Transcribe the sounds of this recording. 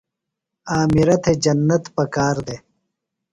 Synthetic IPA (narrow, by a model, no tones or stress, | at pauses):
aːmiɾɐt̪ʰed͡ʒɐnːɐt̪pɐkaːɾd̪e